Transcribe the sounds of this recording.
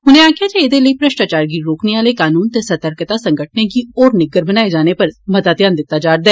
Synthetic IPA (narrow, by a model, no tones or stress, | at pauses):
ɦʊnẽaːkʰɪjaːd͡ʒeed̪eləipɾəʃʈaːt͡ʃaːɾɡiːɾoːkneʋaːlekaːnuːnt̪esət̪əɾkt̪asɐ̃ŋɡəʈ̚ʰnekiɔːɾnɪɡəɾbənaːed͡ʒaːnepɐɾmɐt̪aːd̪jaːnd̪ɪt̪ːad͡ʒaːɾd̪ɛː